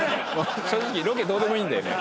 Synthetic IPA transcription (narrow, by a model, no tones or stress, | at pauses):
moɕoːd͡ʑikʲiɾok̬ed̪o̞ːd̪e̞mo̞ĩːnd̪ajo̞̰nḛ